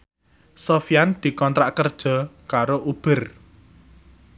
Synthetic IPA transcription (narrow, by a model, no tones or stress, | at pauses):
sofijand̪̥i̤kɔnt̪ɾaʔkərd̥ʒ̥ɔ̤kaɾoʔub̥ə̤r